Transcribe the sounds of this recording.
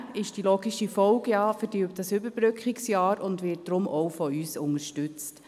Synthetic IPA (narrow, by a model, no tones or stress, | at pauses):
ɪʃd̥iloːɡiʃifɔʊɡjɑːfəɾd̥yːp̚t̚d̥ɑsʏbəɾbɾʏkχɪksjɑːɾʊndʋɪt̚d̥ɾʊmʔɔwfɔyːsʊŋəɾʃtʏt͡st